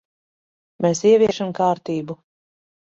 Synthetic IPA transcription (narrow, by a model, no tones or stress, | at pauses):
mesiɛviɛʃamkaːɾt̪iːbu